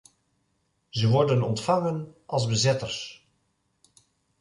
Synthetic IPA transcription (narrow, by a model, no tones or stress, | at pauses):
zəʋɔɹdənɔntfɑŋənʔɑlˠzbəzɪtəɹs